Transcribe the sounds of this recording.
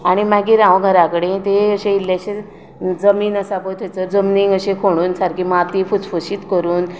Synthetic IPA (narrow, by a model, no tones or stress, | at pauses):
aɽ̃imaɡiːɾãʋɡʱəɾakəɽet̪eəɕeilːaɕe | d͡zəmiːnəsabəjt̪ʰet͡səd͡zəmniŋɡəɕẽkʰoɽ̃uːnsaɾkʰiːmat̪ifut͡sfuɕiːt̪kəɾuːn